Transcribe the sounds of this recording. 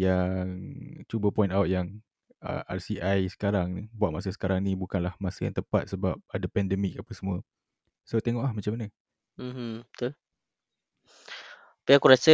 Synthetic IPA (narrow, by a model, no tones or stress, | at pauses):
jaŋt͡ʃubəpɔĩntawt̪̚jaŋ | ə̰ʔa̰rsiʔajsə̥kaɾaŋnibuaʔ̪̚mas̬əsə̥kaɾaŋnibukanlahmasəja̰ŋt̪əpa̰t̪̚səbap̚adapɛndɛmik̚apasəmũə | sot̪eŋɔʔlahmat͡ʃamanə | m̩m̥̩t̪u | piakuɾasə